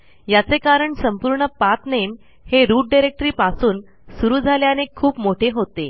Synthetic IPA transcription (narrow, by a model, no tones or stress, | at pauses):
jat͡sekaɾəɳsəmpuːɾɳəpat̪nem | heɾuːʈ̚ɖajɾek̚ʈəɾiːpasuːn | suɾuːd͡zʱaljanekʰuːpmoʈʰeɦot̪e